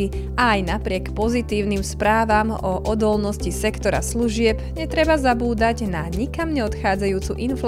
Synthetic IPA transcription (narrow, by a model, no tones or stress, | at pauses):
i | aːjnapɾɪɛkpɔzit̪iːʊnimspɾaːʋamɔʔɔd̪ɔlnɔscisɛkt̪ɔɾa̰sluʒɪɛpɲɛt̪ɾɛbazabuːd̪aɟnaɲikamɲɛɔt̪xaːd͡zajuːt͡suʔinfl